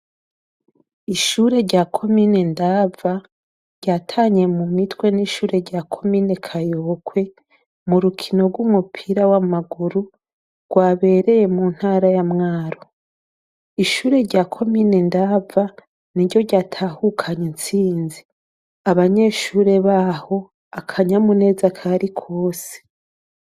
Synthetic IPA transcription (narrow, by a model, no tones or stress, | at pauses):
iʃuːɾe̞ɾɟaːkʰo̞mine̞ndava | ɾɟaːtʰaːɲe̞mumitwe̞niʃuːɾe̞ɾɟaːkʰo̞mine̞kʰajokʰwe̞ | muɾukʰino̞ɾɡwumupʰiɾawamaɡuɾu | ɡ̥waːβe̞ːɾe̞je̞muːn̥haːɾajamŋaːɾo | iʃuːɾe̞ɾɟaːkʰo̞minendaːva | niɾɟo̞ɾɟaːtʰaːhukʰaɲent͡siːnzi | aβaɲe̞ʃuːɾe̞βaho̞ | akʰaɲamune̞ːzakʰaɾikʰo̞ːse̥